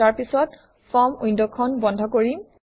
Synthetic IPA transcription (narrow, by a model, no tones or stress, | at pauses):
aɹpisɔt | fʰɔmujndɔkʰɔnbɔndʱɔkoɹim